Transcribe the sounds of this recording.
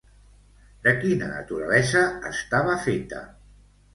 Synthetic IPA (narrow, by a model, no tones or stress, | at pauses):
d̪əkinə̰nə̰t̪uɾəlɛzəːst̪aβəfet̪ə̰